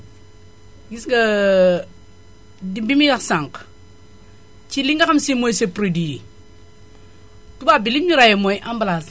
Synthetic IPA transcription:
ɡisɡa | dibimiɡaksaŋk | t͡ʃiliŋɡakamsimojsepɾodii | tubabilimɲiɾajemojʔambalas

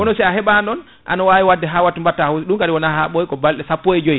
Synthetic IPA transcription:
kɔnɔsiaɦɛɓandɔn | ʔa̰nawaːwiwadːɛɦawatumbatːahusɗunkaɗiwɔnaɦaɓojkɔbalɗɛsapːojɛd͡ʒoj

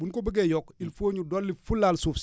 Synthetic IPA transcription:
bunkɔbəɡɛjɔkilfoːɲudɔlːifulalsuf

